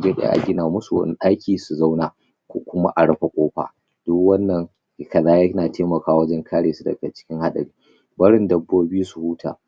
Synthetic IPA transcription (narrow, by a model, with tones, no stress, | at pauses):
d͡ʒe˦ɗḛ˦ʔa̰˨ɡʲɪ˦naː˨mʊ˦su˨wɐ̰˦n˦ʔa˦jkʲiː˨su˨za˦wnaː˨ | kʷo̰ː˦kʷʊ˦ma̰˦ʔa˨ɽɐ˦ɸa˨kʷʼoː˦ɸa̰ː˨ | d̥ʊ˦kwɐ˦nːɐ˨ŋ˦ | kɐ˨zaː˦jɐ˦naː˨tʰeː˦mɐ˨kaː˦wɐ˦d͡ʒɛ˦ŋkʰaː˦ɽeː˨su˦dɐ̰˨ɡa˨t͡ʃɪ̥˦kʲɪ˦ŋha˦ɗɐ̰˨ɽiː˦ | bɐ˦ɽɪ˦ndɐ˨bːoː˦bi˦u˦su˨huː˦tʰa̰ː˨